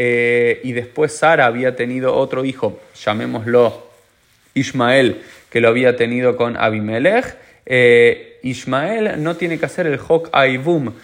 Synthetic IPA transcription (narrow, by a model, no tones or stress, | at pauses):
eiðe̞spwe̞sːaɾaːβ̞iat̪e̞nið̞o̞ʔot̪ɾo̞ixo̞ʃamẽ̞mo̞zlo̞ | iʃmae̞lke̞loaβiat̪e̞nið̞o̞ko̞nʔa̰βimelex | e | iʃmae̞lno̞t̪je̞ne̞kease̞ɾe̞lxo̞kajβum